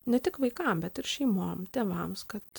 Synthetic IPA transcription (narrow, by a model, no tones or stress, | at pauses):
nʲɛt̪ʲɪkʋɐɪkɐmbʲɛt̪ɪɾʃʲɛɪmoːmt̪ʲeːʋɐmskɐt̪